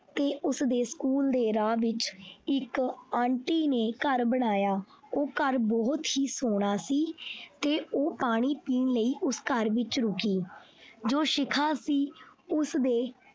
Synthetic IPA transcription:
t̪eːʔʊsd̪eːskuːld̪eːɾaːʋɪt͡ʃɪkãːɳʈiːneːkəɾbəɽ̃aːjaː | oːkəɾbɔːt̪ɦiːsoːɽ̃aːsiːt̪eːoːpaːɽ̃iːpiːnləiːʔʊskəɾʋɪt͡ʃɾʊkiː | d͡ʒoːʃɪkʰãːsiːʊsd̪eː

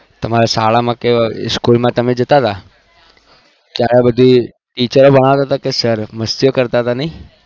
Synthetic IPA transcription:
t̪əmaɾasaːɭamãkeskulmãt̪əmed͡ʒət̪at̪a | kjaɾebəd̪ʱi | ʈiːt͡ʃəɾobəɽ̃aʋt̪at̪akesəɾməst̪ijokəɾt̪at̪anəĩ

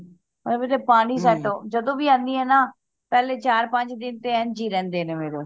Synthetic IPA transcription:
əmeːɾeːpaːɽ̃iːs̬ɛːʈõːd͡ʒəd̪õːʋiːãːnd̪iːɦɛːnaː | pɛːleːt͡ʃaːɾpə̃ɲd͡ʒd̪ɪnt̪eːɛːnd͡ʒiːɾɛ̃ːnd̪eːneːmeːɾoː

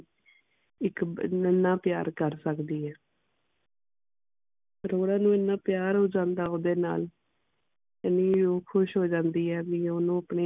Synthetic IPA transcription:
ɪkənːãːpɪjaːɾkəɾsəkd̪iːɦɛː | ɾoːɽãːnũːɪnːãːpjaːɾɦoːd͡ʒãːnd̪aːoːd̪eːna̰ːl | əniːoːkʰʊʃɦoːd͡ʒãːnd̪iːɦɛːbiːonũːəpneː

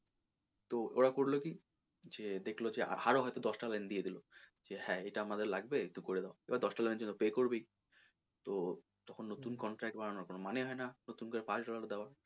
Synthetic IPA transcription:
t̪oo̰ɾakoɾloki | d͡ʑed̪ekʰlod͡ʑea̰haɾoɦɔjt̪od̪ɔʃʈalɛnd̪ijed̪ilod͡ʑehɛ̃ejʈaamad̪eɾlaɡbek̚t̪ukoɾed̪eaḛbad̪ɔʃʈalɛned͡ʑonːopekoɾbej | t̪o | t̪ɔkʰonːot̪unkɔɳʈɾɛk̚ʈ̚baɾanaɾkonomaneɦɔenanot̪unkoɾepat͡ɕɖɔlaɾd̪ɛoa

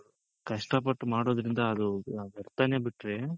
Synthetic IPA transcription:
kɐʂʈɐp̬ɐʈːmaːɽo̞ːd̪ɾind̪ɐːd̪uɐɾt̪aneːbiʈːɾe

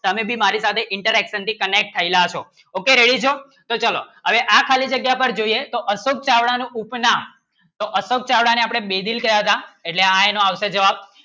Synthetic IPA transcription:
t̪əmebʱimaɾisat̪ʰeʔɪɳʈəɾɛkʃənt̪ʰikənek̚ʈ̚t̪ʰəilat͡ʃʰo | okeɾeɽid͡ʒʰo | t̪ot͡ʃalo̰ɦəʋeʔakʰalid͡ʒəɡjapəɾd͡ʒoiet̪oʔəsok̚t͡ʃaʋɽanũʔupnãm | t̪oʔəsok̚t͡ʃaʋɽaneapɽ̃ebed̪ilkəɾjaɦət̪aeʈleaenõaʋʃed͡ʒəʋab̚

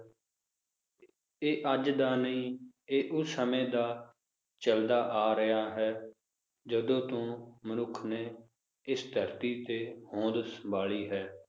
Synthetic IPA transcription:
eːʔəd͡ʒd̪aːnəĩːeːʔʊsːəmẽːd̪aː | t͡ʃəld̪aːʔaːɾɪjaːɦɛː | d͡ʒəd̪õːt̪õːmənʊkʰneː | ɪsd̪ʱəɾt̪iːt̪eːhõːd̪səbaːliːɦɛː

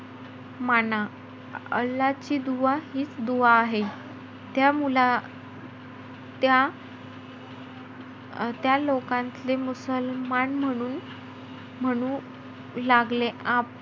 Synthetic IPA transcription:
mana | əlːat͡ɕiːd̪uʋahiːt͡sd̪uʋaːɦe | t̪jamula | t̪ja | t̪jalokãnt̪lemusəlmanm̤əɽ̃uːn | m̤əɽ̃ũ | laɡleʔap̚

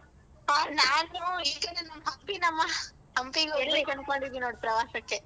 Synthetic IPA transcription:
anaːnuiːkɐnenɐmːɐɦɐmpinɐmːɐ | ɦɐmpiɡuenbeːkɐnkoɳɖid̪ːinoːɽipɾɐʋaːsɐkːe

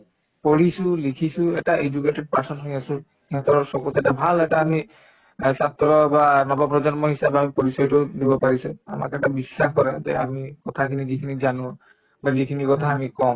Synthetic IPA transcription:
poɹisʊ̃likʰisʊ̃ɛtaed͡ʒuketɛd̚paɹsɔntʰɔiasʊ̃ | iɦɔt̪ɔɹɔsɔkusɛtabʱalɛtaːmi | sat̪ɹɔbanɔbapɹɔzɔnmɔɦisabamipɔɹisɔjtʊdibɔpaɹisʊ̃a̰ma̰kɛtabisːaxkɔɹɛtɛ̰amikɔtʰakʰinizikʰinizanʊ̃ | bazikʰinikɔtʰaːmikɔ̃

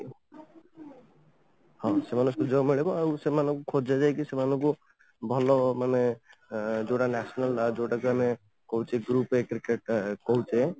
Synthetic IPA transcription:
hɔ̃semanusɔd͡ʒɔɡmiɭebɔawsemanũkukʰod͡ʒʱad͡ʒajkisemanuku | bʱɔlɔmane | d͡ʒoʈanɛsɔnalːad͡ʒowʈakuame | kɔɦut͡ʃʰeɡɾupekɾikeʈ̚kɔɦut͡ʃʰe

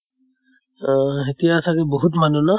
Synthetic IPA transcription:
ɦetijasʰakebɔɦut̬manuna

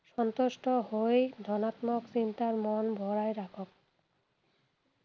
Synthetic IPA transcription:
ʃɔnt̪oʃʈoɦojd̪ʱɔnat̪moksint̪aɾmɔnbʱɔɾajɾakʰop̚

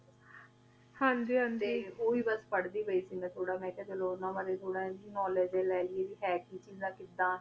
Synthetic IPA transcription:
hãnd̪iːɦãnd̪eiːoːiːbəspəɽd̪iːbəiːsiːmɛ̃ːt̪ʰoːɽaːmɛ̃ːkɛːt̪əloːnãːʋaɾeːt̪ʰoːɽãːd̪iːnɔːləd͡ʒeːlɛːlɪeːd̪iːɦɛːkiːt͡ʃiːzãːkɪd̪ãː

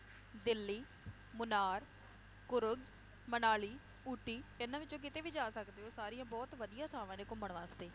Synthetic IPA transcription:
d̪ɪlːiː | mʊnaːɾ | kʊɾʊɡ | mənaːliː | uːʈːiːenãːʋɪt͡ʃːd͡ʒõːkɪt̪eːʋiːd͡ʒaːsəkd̪eːɦoːsaːɾijãːbɔːt̪ʋəd̪ijãːt̪ʰaːʋãːnẽːkʊməɳʋãːst̪eː

